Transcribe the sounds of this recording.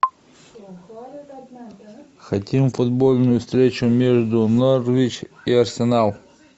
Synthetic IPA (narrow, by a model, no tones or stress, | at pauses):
xɐtʲimfʊd̪bolʲnʊjʊfst̪ɾʲet͡ɕʊmʲeʐd̪ʊnorvʲit͡ɕiɐrsʲɪnalˠ